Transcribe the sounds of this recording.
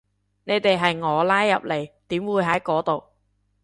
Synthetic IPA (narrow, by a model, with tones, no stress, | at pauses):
ne˨˧jt̪e˨jɦɐ˨jŋɔː˨˧laː˥jːɐ̰˨p̚le˨jt̪iː˨˥mwuː˨˧˥jɦɐ˨˥jkɔː˨˥t̪o˨w